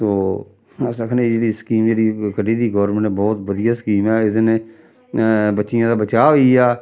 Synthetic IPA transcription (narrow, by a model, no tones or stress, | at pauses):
t̪oː | səkʰned͡ʒeːɽiːskiːmd͡ʒeːɽiːkəɖiːd̪iːɡɔːɾməɳẽbɔːt̪ʋəd̪ɪjaːskiːmɛːɪd̪nẽː | bətːʃɪjãːd̪aːbət͡ʃaːʋiːaː